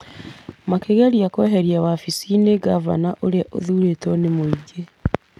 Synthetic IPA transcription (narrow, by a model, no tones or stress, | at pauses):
makeɡaɾjakoɦeɾjaβafisineɡava̰naʔoɾeʔo̰ðuɾetonemuiɟe